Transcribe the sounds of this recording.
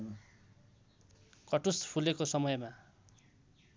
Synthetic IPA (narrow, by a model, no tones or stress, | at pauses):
kʌʈuspʰulekosʌmʌjma